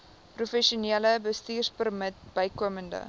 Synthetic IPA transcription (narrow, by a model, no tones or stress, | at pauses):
prufɛʃuniələbəstiːrspərmət̚b̥əjkuəməndə̰